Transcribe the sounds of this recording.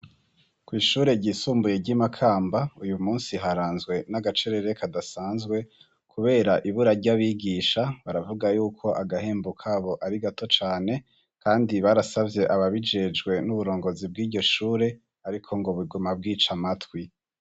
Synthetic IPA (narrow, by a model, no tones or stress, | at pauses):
kwiːʃuːɾe̞ɟiːsuːmbuje̞ɟimakʰaːmbaujumuːnsiɦaɾaːnzɡwe̞naɡat͡ʃe̞ɾe̞ɾe̞kʰadasaːnzɡwe̞ | kʰuβe̞ːɾaʔiβuɾaɟaβiːɡiːʃaβaɾavuɡajuːkʰo̞ʔaɡahe̞ːmbukʰaβo̞ʔaɾiɡato̞t͡ʃaːne̞ | kaːndiβaɾasavje̞ʔaβaβid͡ʒe̞d͡ʒɡwe̞nuβuɾo̞ːŋɡo̞zib̚ɡiːɾɟo̞ʃuːɾe̞ | aɾikʰo̞ŋɡo̞βuɡumab̚ɡiːt͡ʃamatwi